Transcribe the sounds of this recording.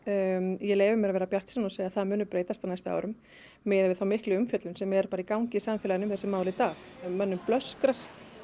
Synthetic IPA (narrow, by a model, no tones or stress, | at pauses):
jɛleːjvʏɾmɛɾavɛːɾapjar̥t̪sɛnɔseːjaðθaðmʏːnʏpɾeːjt̪ast̪awnajst̪ʏa̰wɾʏmː | ɪðvɪðθawmɪhklɪʏmfjœt̪lʏnsɛmjɛɛɾpaːɾaikawɲcɪisamfɛːlajɪnʏmθɛsɪmaːwðlɪit̪aːxmœnːʏmplœskɾaɾ̥